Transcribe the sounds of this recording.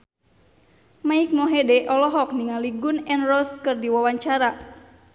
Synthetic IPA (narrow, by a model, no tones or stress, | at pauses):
maik̚mɔɦedɛʔɔlɔɦɔk̚niŋaliɡunɛnrɔskɨrdiwawaɲt͡ʃaɾa